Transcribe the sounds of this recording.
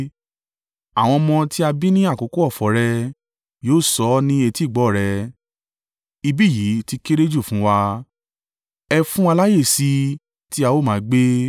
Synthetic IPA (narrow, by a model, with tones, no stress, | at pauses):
a˨w̃ɔ̃˧mɔ̃˧ti˦a˧bi˦nĩ˦a˦˨ko˨˦ko˦ɔ˦˨fɔ˨˦ɾɛ˧ | joː˦˨sɔ˨˦nĩ˦e˧ti˦˨ɡ͡bɔ˨˦˨ɾɛ˧ | i˧bi˦˨ji˨˦ti˦ke˦ɾe˦d͡ʒu˦˨fũ˦wa˧ | ɛ˧fũ˦a˧la˦je˦˨si˧˦ | ti˦a˧wo˦˨mãː˨˦ɡ͡be˦